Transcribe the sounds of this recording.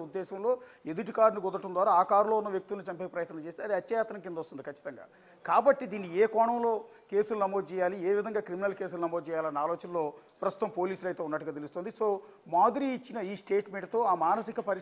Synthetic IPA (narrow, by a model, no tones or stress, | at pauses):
ud̪ːɛːʃɐmlo̞ːed̪uʈikaːɾniɡɔd̪ɐʈːund̪ʋaːɾaaːkaːɾlo̞ːunːɐʋjɐk̚t̪ulnit͡ʃɐmpepɾɐjɐt̪nɐt͡ʃeːst̪eɐd̪iɐt̪jɐjaːt̪ɾɐmkind̪ost̪und̪ikɐt͡ʃːit̪ɐŋɡa̰ː | kaːbɐʈːid̪iːnːieːkɔːɳɐmlo̞ː | ke̞ːsulunɐmo̞ːd̪ut͡ʃɛːjaːlieːʋid̪ʱɐŋɡaːkɾiminɐlke̞ːs̬ulunɐmod̪t͡ʃɛːjaːlɐnːaːloːt͡ʃɐnlo̞ːpɾɐst̪ut̪ɐmpo̞ːliːsulɐjt̪eunːɐʈːuɡaːt̪e̞lust̪ond̪iso̞ː | maːd̪iɾiːt͡ʃːinɐiːsʈe̞ːʈme̞ɳʈt̪o̞ːaːmaːnɐsikɐpɐɾ